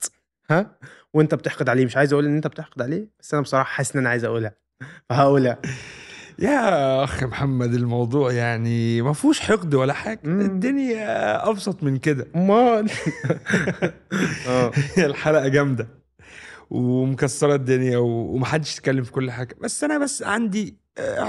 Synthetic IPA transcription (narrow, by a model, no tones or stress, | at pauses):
hæwʔent̪æbet̪eħqod̪ʕaleːmeʃʕajezæʔuːlʔenːʔent̪æbet̪eħɡod̪ʕaleːbæsːʔænæbesˤɑɾˤɑːħɑ̥ħasːʔenːʔænæʕaːjezʔæʔuːlhæ | fæɦæʔuːlæ | jæːʔæxmħamːæd̪elmɑwd̪ˤuːʕjaʕnimæfuːʃħeqd̪wælːæħaːɡæed̪ːonjæʔɑbsˤɑt̪ˤmenked̪æmæ | ʔæːelħalæʔæɡæmd̪æ | wemokæsːɑɾˤɑd̪ːenjæwewemæħad̪ːe̥ʃt̪e̥kælːemfi̥kolːħaːɡæbæsːʔænæbæsːʕand̪i